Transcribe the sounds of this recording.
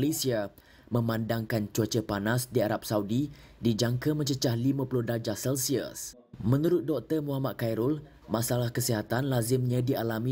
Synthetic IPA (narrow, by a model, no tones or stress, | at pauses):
lesia | mə̃mãndaŋkant͡ʃuat͡ʃəpanasdiaɾap̚saudi | did͡ʒaŋkəmə̃ɲt͡ʃət͡ʃahlimə̃pulʊhdad͡ʒahsɛlsiə̰s | mə̃nuɾʊt̪̚dɔk̚t̪ərmuɦamat̪̚kajɾʊl | masalahkəsiɦat̪anlazɪmɲãdialamĩ